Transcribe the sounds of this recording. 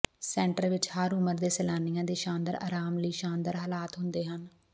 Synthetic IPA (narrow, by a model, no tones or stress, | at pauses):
sɛ̃ːɳʈəɾʋɪt͡ʃhaːɾʊməɾd̪eːsɛlaːnijãːd̪eːʃaːnd̪əɾa̰ːɾaːmləiːʃaːnd̪əɾɦaːlaːt̪ɦʊnd̪eːɦən